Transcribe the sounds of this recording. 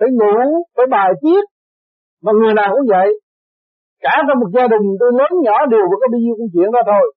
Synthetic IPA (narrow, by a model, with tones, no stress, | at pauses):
fə˨˦jŋu˧˨fəː˨˦jɓaː˨˩jt͡ɕi˦˥ət̚ | vaː˨˩ŋɨ˨˩əjnaː˨˩wkʊ̰˧˥ŋ͡mvə̰˧˨j | kaː˧˩tɔ˧mo˨˩t̚zaː˧ɗï˨˩ŋ̟t̪o˧jləː˨˦nɲɔ˧˩˦ɗi˨˩əwə˨˦kɔ˨˦ɓi˧ɲi˧wku˧˦ŋ͡mt͡ɕwḭ˧˨ənzaː˧t̪ʰo˧j